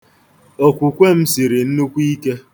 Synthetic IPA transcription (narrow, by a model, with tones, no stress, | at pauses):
o˨kʷu˨kʷe˦m̩˦si˨ɾi˨n̩˦nu˦kʷi˦ke˦